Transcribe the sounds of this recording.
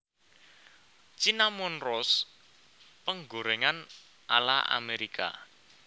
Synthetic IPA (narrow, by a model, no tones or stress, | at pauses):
t͡ʃinamɔnrɔs | pəŋɡoɾeŋan | a̰la̰a̰meɾikʰa̰